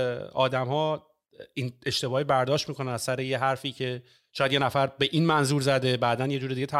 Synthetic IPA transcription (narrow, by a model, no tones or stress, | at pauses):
ɒːd̪æmhɒː | ine̞ʃt̪e̞bɒːhibæɾd̪ɒːʃt̪miːkʰonænæz̥sæɾejeɦæɾfiːcʰe̞ | ʃʰɒːjæd̪je̞næfæɾbe̞ʔiːnmænzuːɾzæd̪ebæːd̪ænje̞d͡ʒuːɾid̪iɟet̪ʰæ